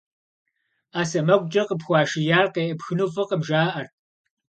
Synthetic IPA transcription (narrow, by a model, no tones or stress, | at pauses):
aːsɐmɐkʷʼt͡ʃʼɐqəpxʷɑːʃɪjaːrqeːʔɐpxɨnuːfɨqəmʒaːʔɐrt